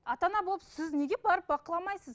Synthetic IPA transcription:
ɑt̪ɑnɑbo̞lˠəpsɪzne̞ɡʲe̞bɑɾəp̚bɑqəlˠɑmɑjsəz

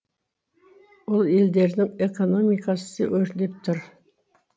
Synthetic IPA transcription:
wolˠe̞ld̪e̞ɾd̪ɪŋeko̞no̞mijqɑsə̥sə̰wʔɵɾnep̚t̪ʰʊɾ

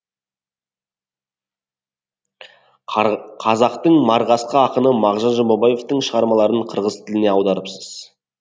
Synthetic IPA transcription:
qʰɑzɑqt̪əɴmɑɾʁɑsqəɑqənəmɑʁʒɑnʒɑmbobɑje̞ft̪əɴʃəʁɑɾmɑlˠɑɾəɴqʰəɾʁəzt̪ʰɪlɪne̞ɑwd̪ɑɾəpsəz̥

